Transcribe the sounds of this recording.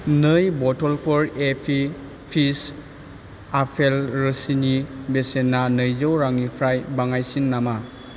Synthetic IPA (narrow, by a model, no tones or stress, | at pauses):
nɯjbɔtɔlpʰɔɾepʰi | pʰis | apʰelɾɯsinibesenːanɯjzɯwɾaŋipʰɾajbaŋajsinːama